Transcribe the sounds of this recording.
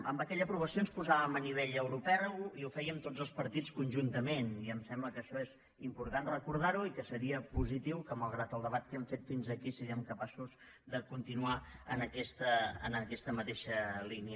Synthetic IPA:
əmbəkɛʎəpɾuβəsionspuzaβəməniβ̞eʎəwɾupɛiufɛjəmt̪od͡zəlˠspəɾt̪it͡skunʲʒunt̪əmeniəmsɛmbləkəʃɔez | impuɾt̪anrəkuɾð̞aɾuikəsəɾiəpuzit̪iwkəməlˠɣɾat̪əlˠd̪əβat̪kɛmfet̪finzəkisiɾiəmkəpasuz | d̪əkunt̪inuaənəkɛst̪ə̰ːnəkɛst̪əmət̪eʃəliniə

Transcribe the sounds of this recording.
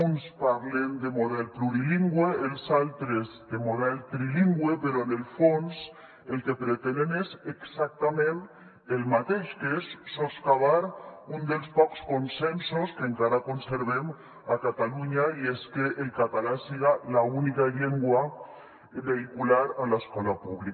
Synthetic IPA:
unspaɾlend̪emoðɛlpluɾiliŋɡweelsalt̪ɾezd̪emoðɛlt̪ɾiliŋɡwepeɾoenelfons | elkepɾet̪enenezeksak̚t̪amẽn | elmat̪eʃkeesːoskaβ̞aɾund̪elspɔkskonsensoskeŋkaɾakonseɾβem | akat̪aluɲaieskeʔːlkat̪alasiɣalaunikaʎeŋɡwa | βeikulaɾalaeskɔlapuβlik

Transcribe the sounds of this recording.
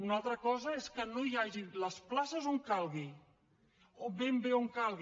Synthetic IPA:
unalˠt̪ɾəkɔzəeskənoijaʒiləsplasəzoŋkalˠɣi | obembeoŋkalˠɣ

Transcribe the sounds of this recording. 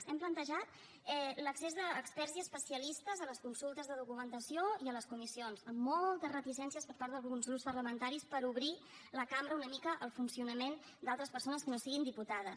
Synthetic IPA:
sɛmplənt̪əʒat̪ | ɛləksezðəːkspɛɾziəspəsiəlist̪əzələskunsulˠt̪əzðəðukumənt̪əsioiələskumisionzəmːɔlˠt̪əzrət̪isɛnsiəspəɾpaɾðəlˠɣɾunzɣɾupspəɾləmənt̪aɾispəɾuβɾi | ləkamɾəunəmikəʔəlˠfunsiunəmen | d̪alˠt̪ɾəspəɾsonəskənosiɣind̪iput̪að̞əs

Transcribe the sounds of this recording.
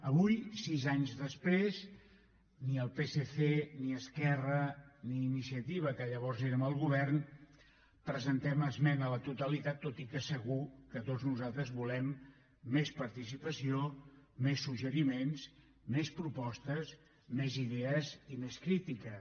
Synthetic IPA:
əβujsizaɲzðəspɾez | niəlˠpeseθeniəskɛrəniːnisiət̪iβ̞əkəʎəβɔrzeɾəməlˠɣuβɛrn | pɾəzənt̪ɛməzmɛnələt̪ut̪əlit̪at̪ːot̪ikəsəɣukət̪oznuzalˠt̪ɾəzβulɛmː | espəɾt̪isipəsiomesːuʒəɾimens | mespɾupɔst̪əs | meziðɛəzimeskɾit̪ikə

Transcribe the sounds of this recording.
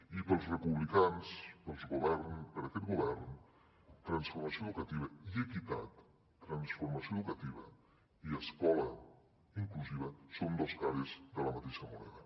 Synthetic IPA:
ipəlˠzrəpuβlikanspəlˠzɣuβɛrnpəɾəkɛt̪̚ɡuβɛɾn | t̪ɾənsfuɾməsioðukət̪iβəiəkit̪a̰t̪ː | ɾənsfuɾməsioðukət̪iβə̰ | iəskɔlə | iŋkluziβəsond̪olˠskaɾizðələmət̪eʃəmunɛ̰ðə

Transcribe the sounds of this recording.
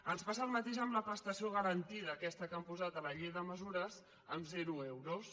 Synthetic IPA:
ənspasəːlˠmət̪eʒəmləpɾəst̪əsioɣ̞əɾənt̪iðəːkɛst̪əkampuzat̪ələʎiðəməzuɾəz | əmzɛɾuewɾos

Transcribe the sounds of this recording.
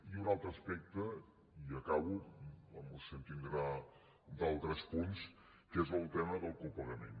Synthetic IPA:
iunalˠt̪ɾəspɛk̚t̪ə | iəkaβuəməsənt̪ind̪ɾa | d̪alˠt̪ɾəspuns | kezəlˠt̪ɛməðəlˠkupəɣəmḛn

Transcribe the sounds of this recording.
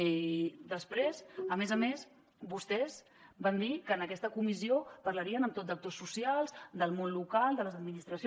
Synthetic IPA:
d̪əspɾezəmezəmez | bust̪ɛz | band̪ikəːnəkɛst̪əkumiziopəɾləɾiənəmt̪ot̪̚d̪ək̚t̪osːusialˠzd̪əlˠmonlukalˠd̪ələzəd̪minist̪ɾəs

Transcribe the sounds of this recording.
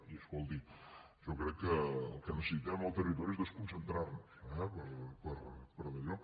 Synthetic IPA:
iɛskɔlˠd̪i | ʒɔkɾɛkːəəlˠkənəsəsit̪ɛməlˠt̪ərit̪ɔɾiezðəskunsənt̪ɾarnusɛpəɾpəɾpəɾləʎɔk

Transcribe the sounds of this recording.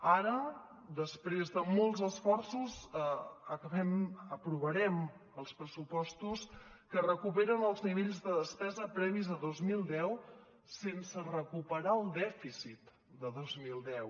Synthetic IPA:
aɾə | d̪əspɾezðəmolˠzəsfɔrsuz | əkəβɛməpɾuβəɾɛm | əlˠspɾəsupɔst̪us | kərəkupeɾənəlˠzniβeʎzðəðəspɛzəpɾɛβizəðozmilˠd̪ɛw | sensərəkupəɾaəlˠd̪ɛfisit̪ | d̪əðozmilˠd̪ɛw

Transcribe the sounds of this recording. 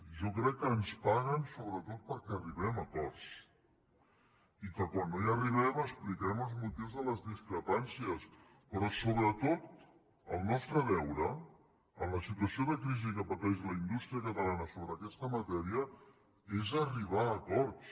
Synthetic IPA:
ʒɔkɾɛkːəːnspaɣənsoβɾət̪ot̪̚pəɾkɛəriβɛməkɔɾs | ikəkwanːoiəriβɛməsplikɛməlˠzmut̪iwzðələzðiskɾəpansiəs | pɾɔsoβɾət̪ot̪̚ | ə̰lˠnɔst̪ɾəðɛwɾə | ənləsit̪uəsioðəkɾizikəpət̪ɛʃləind̪ust̪ɾiəkət̪əlanəsoβɾəːkɛst̪əmət̪ɛɾiə | ezəriβ̞aːkɔɾs

